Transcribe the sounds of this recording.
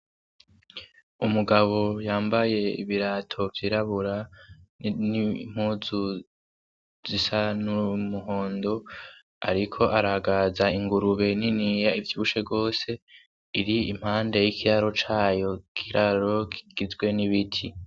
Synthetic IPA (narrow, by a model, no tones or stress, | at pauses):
umuɡaβo̞jaːmbaje̞ḭβiɾatʰo̞vjiɾaβuɾa | nim̥huːzu | z̥isanumuɦo̞ːndo̞ | a̰ɾikʰo̞ʔaɾahaɡazaiŋɡuɾuβe̞ninijaivjuːβuʃebɡo̞ːse̞ | iɾiim̥haːnde̞jikʰiɾaɾo̞t͡ʃaːjo̞kʰiɾaɾo̞ki̥ɡ̥izɡwe̞niβitʰi